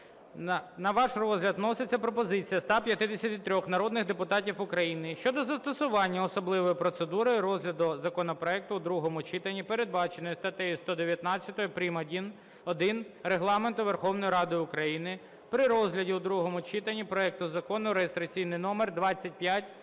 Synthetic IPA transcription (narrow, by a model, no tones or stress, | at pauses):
nɐʋɑʃrɔzɦlʲɐd̪nɔsɪt͡sʲːɐpɾɔpɔzɪt͡sʲijɐst̪ɑpʲjɐt̪ɪd̪esʲɐt̪ɪt̪ɾʲɔxnɐɾɔd̪nɪxd̪epʊt̪ɑtʲifʊkɾɐjinɪʃt͡ʃɔd̪ɔzɐst̪ɔsʊʋɑnʲːɐɔsɔblˠɪʋɔjʊpɾɔt̪sed̪uɾɔjʊɾɔzɦlʲɐd̪ɔzɐkɔnɔpɾɔɛk̚t̪ʊːd̪ɾuɦɔmʊt͡ʃit̪ɐnʲːipeɾed̪̚bɑt͡ʃenɔjʊst̪ɐt̪ɛjist̪ɔd̪eʋʲjɐt̪nɑt͡sʲjɐt̪ɔjʊpɾʲimɐdʲin | ɔd̪ɪnreɦlˠɑment̪ʊʋerxɔwnɔjiɾɑd̪ɪʊkɾɐjinɪ | pɾɪɾɔzɦlʲɐdʲiud̪ɾuɦɔmʊt͡ʃit̪ɐnʲipɾɔɛk̚t̪ʊzɐkɔnʊɾejest̪ɾɐt͡sʲijnɪjnɔmerd̪ʋɑt͡sʲːɐt̚ʲpjatʲ